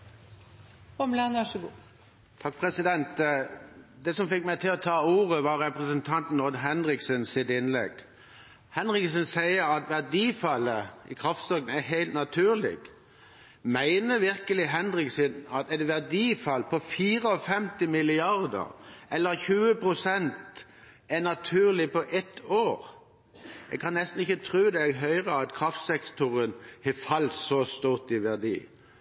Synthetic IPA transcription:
ɔmlɑnʋæʂəɡuː | t̪ʰɑk̚pʰɾɛsɪd̪ɛnt̪ | d̪ɛsɔmfɪkːmæɪt̪ʰɪlɔt̪ʰɑːuːʁəʋɑɾʁɛpʁəsənt̪ʰɑnt̪nɔd̪ɦɛnɾɪksənsɪt̪ɪnlɛ̰ɡ̥ | hɛnɾɪksənsæɪəɾɑt̪ʋæʁd̪iːfɑlːəɪkʰɾɑft̪sɔɡn̩æɦæɪlt̪nɑt̪ʰʉːʁlɪ̰ɡ̥ | mæɪnəʋɪɾkəlɪɦɛnɾɪksɪnɑt̪ɛt̪ʋæʁd̪iːfɑlpʰɔfiːɾəɔfɛmt̪ɪmɪlɪɑʁd̪ə̰ɾɛlːəɾçʉːəpʰɾʊsɛnt̪ | ɛnɑt̪ʰʉːʁlɪpɔʔɛt̪ʰoːɾ | jɛ̰ɡ̚kʰɑnnːɛst̪n̩ɪçət̪ʰɾʉːd̪ɛɦœʏʁəɑt̪kʰɾɑft̪sɛkt̪ɔɾənhɛfɑlt̪sɔst̪uːʁt̪ɪʋæʁd̪ḭː

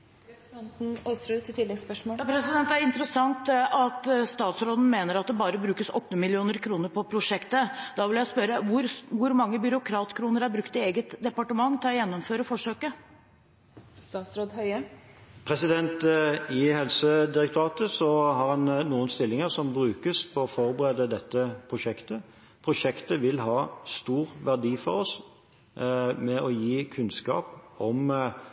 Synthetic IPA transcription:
ɑnt̪n̩ɔsɾʉt̪ʰɪlːɛɡspœʂmoːpʰɾɛsɪd̪ɛnt̪æɾɪnt̪əɾəsɑŋt̪ɑt̪st̪ɑːt̪sɾoːd̪n̩meːnəɾɑt̪̚d̪ɛbɑːɾəbɾʉːkəsɔ̰t̪ːəmɪlɪuːnəɾkʰɾuːnəɾpʰɔpʰɾʊʂɛkt̪əd̪ɑːʋɪljæɪspœɾəʋʊɾʋʊɾmɑŋːəbʏɾʊkʰɾɑːt̪kʰɾuːnəɾæɾbɾʉkt̪ɪeːɡət̪d̪ɛpɑʈəmɑŋːt̪ʰɪlɔjɛnːɔmføːɾəfɔʂøːkə | st̪ɑːsɾoːd̪hœʏəpʰʁɛsɪd̪ɛnt̪ɪhɛlsəd̪ɪʁɛk̚t̪ʰʊɑːt̪əsɔhɑʁhɑnnuːənst̪ɪlːɪŋəʁsɔmbʁʉːkəspʰɔɔfɔʁbəʁeːd̪əd̪ɛt̪ːəpʰʁʊʃɛkt̪ə | pʰʁʊʃɛkt̪əʋɪlɦɑːst̪uːʁʋæʁd̪iːfɔʁɔs | mɛʔɔjiːkʰʉnskɑ̰ːpɔm

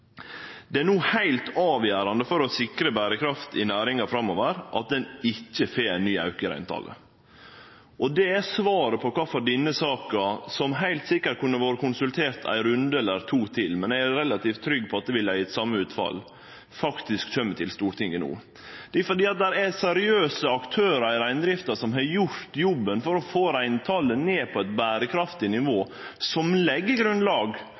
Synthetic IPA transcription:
d̪ɛænuːhæɪlt̪ɑːʋjæːɾɑnd̪əfɔɾɔsɪkɾəbæːɾəkʰɾɑft̪ʰɪnæːɾɪŋɑfɾɑmːoːʋəɾʔɑt̪̚d̪ɛnɪçːəfeːnːyːɑʉkəɾæ̰ɪnt̪ʰɑ̰ːlʔə̰ | ʔɔd̪ɛæsʋɑːɾəpʰɔkʰɑːfɔɖɪnːəsɑːkɑsɔmɦæɪlt̪sɪkːəɾ̚kʉnːəɾʋɑːɾəkʰʊnsʉlt̪ʰeːɾt̪ʰæ̰ɪɾʉnd̪əɛlːəɾt̪ʰuːt̪ʰɪlmɛnææɾɛlɑt̪iːft̪ʰːɾʏɡːpʰɔɑt̪̚d̪ɛʋɪlæɪɛt̪sɑmːəʉːt̪fɑ̰l | fɑkt̪ɪskçœmːət̪ʰɪlst̪uːɾʈ̪ʰɪŋːənṵː | d̪̥ɛfɔɖ̪iːɑt̪̚d̪æɾæsɛɾɪøːsəɑkt̪ʰøːɾəæɪɾæɪnd̪ɾɪft̪əsɔmɦɑjʊɾt̪jɔbːənfɔɾɔfoːɾæɪnt̪ʰɑːləneːpʰɔɛɪt̪bæːɾəkʰɾɑft̪ɪnɪʋoː | sɔmlɛɡːəɡɾʉnd̪lɑːɡ

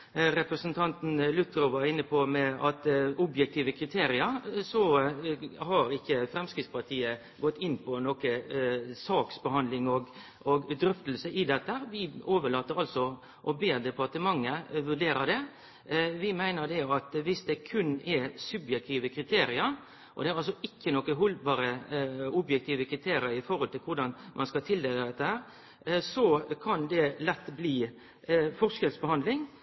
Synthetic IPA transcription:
ɾɛpɾəsənt̪ʰɑnt̪n̩lʉt̪ːɾʊʋɑɾɪnːəpʰɔmɛɑt̪ʊbjɛk̚t̪ʰiːʋəkʰɾɪt̪ʰeːɾɪəɾsɔ | hɑɾɪçːəfɾɛmskɪt̪spʰɑɾt̪ʰiːə | ɡɔt̪ːɪnːpʰɔnɔkəsɑːksbəhɑnd̪lɪŋɔɡ | ɔɡd̪ɾʏft̪l̩səʔɪd̪ɛt̪ːəʋɪoːʋəɭɑːt̪ːəɾɑlsɔ | ʔɔbeːɾd̪ɛpɑɾt̪əmɑŋːəʋʉɖ̪eːɾəd̪ɛ | ʋɪmæɪnəd̪ɛɑt̪ʋɪsd̪ɛkʰʉnːɛɾsʉbjɛk̚t̪ʰiːʋəkʰɾɪt̪ʰeːɾɪəɾ | ʔɔ̰d̪ɛæɾɑls̬ɔɪkːənɔkːəɦɔlbɑːɾəʊbjɛk̚t̪ʰiːʋəkʰɾɪt̪ʰeːɾɪəɾɪfɔɾhɔlt̪ɪlkʊɾɖ̪ɑnmʔɑnskɑt̪ʰɪld̪eːləd̪ɛt̪ːəhæːɾ | sɔkʰɑnd̪ɛlɛt̪ːbliː | fɔskɛlsbəhɑnd̪lɪŋ

